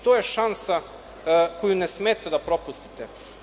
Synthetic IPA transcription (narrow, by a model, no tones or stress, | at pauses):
t̪oːjeʃansa | kojunesmeːt̪ad̪apɾo̞pust̪i̥t̪e